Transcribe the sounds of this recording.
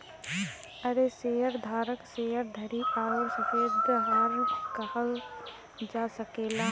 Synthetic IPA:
ɐɾeseːəɾd̪ʱaːɾəkseːəɾd̪ʱɐɾiʔaːjoɾsɐfeːd̪ɦaːlkɐhəl | d͡ʒaːsɐkeːlaː

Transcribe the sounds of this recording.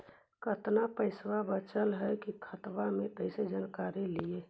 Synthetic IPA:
kət̪napəɪswabət͡ʃəlɦɛkikʰət̪ʋamẽpəɪsed͡ʒənkaɾelie

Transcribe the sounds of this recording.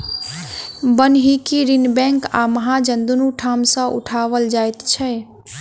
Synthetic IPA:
bənɦikiɾinbɛ̃ŋka̰məɦad͡ʒənd̪unuʈʰamsə̃ʔṵʈʰaʋəld͡ʒajt̪t͡ʃʰɛ

